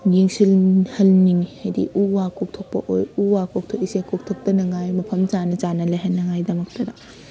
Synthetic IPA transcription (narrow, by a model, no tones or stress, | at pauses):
jiŋsilhɐlniŋhajdḭʔuwakuk̚tʰok̚pɐ̰ʔojuwakok̚tʰokisekuk̚tʰok̚tɐnɐŋajmɐpʰɐmt͡ʃanɐt͡ʃanɐlɐjɦɐnːɐŋajdɐmɐk̚tɐdɐ